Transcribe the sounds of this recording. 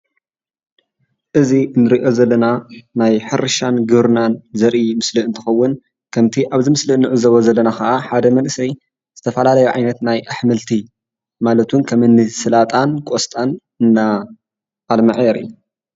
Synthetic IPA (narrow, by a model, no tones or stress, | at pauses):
ʔɨziɨnːɨɾiʔo̞zɐlːɐnanajħɨɾɨʃanɡɨβɾɨnanzɐɾʔimɨslɨɨnt̪ʰɨ̥xɐwːʊn | kʰɐmt̪ʰiʔaβzɨmɨslɨnːɨʕɨzɐβozɐlːɐnakɐʔaħad̪ɐmɐnʔsɐj | z̥ɨt̪ʰɐfɐlalɐjuʕa̰jnɐt̪najʔaħmɐlt̪ʰi | malɐt̪ʰunkʰɐmɨnːɨsɨlat̪ʼankʼost̪ʼan | ɨnːaː | lmɐʕjɛɾḭ